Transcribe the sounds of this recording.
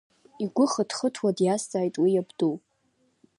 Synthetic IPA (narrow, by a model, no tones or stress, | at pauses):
iɡʷʊχədχətʰwadjast͡sʼaːjtʼwijabduwpʼ